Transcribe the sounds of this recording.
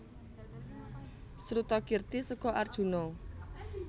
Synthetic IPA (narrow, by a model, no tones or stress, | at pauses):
sɾut̪ɔkirt̪isəkɔʔard̥ʒ̥ṳnɔ